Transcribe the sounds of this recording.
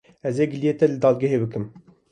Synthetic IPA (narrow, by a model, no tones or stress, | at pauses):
ɛzeːɡɨlijeːt̪ɛlɨd̪ɑːlɡɛɦeːbɨkɨm